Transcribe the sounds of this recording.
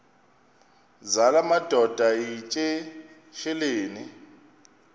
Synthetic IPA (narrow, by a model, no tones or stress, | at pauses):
zalamad̥ʱɔd̥ʱait͡ʃʼe | ʃɛleːni